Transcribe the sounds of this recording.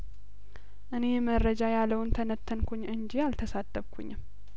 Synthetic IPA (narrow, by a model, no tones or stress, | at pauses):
ʔɨne̞jməɾəd͡ʒajalːəwnt̪ʰənət̪ʰːənkʰoɲːʔɨɲd͡ʒialt̪ʰəsat̪ʰʼːəβkʰṵɲːɪm